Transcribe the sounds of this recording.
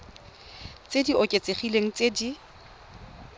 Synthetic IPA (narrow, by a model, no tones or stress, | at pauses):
t͡sʼediʔɔkʼet͡sʼeχileŋ̩t͡sʼedi